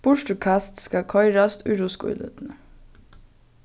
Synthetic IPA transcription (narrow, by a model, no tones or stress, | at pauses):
b̥ʊʃʈʉkʰɑst̪skɑkʰɔʏɹɑst̪ʰʉɾuskṵːlʉ̰t̪n̩ə